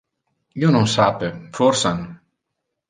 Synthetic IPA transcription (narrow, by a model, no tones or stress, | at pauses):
jonõsaːpefʰoɾsan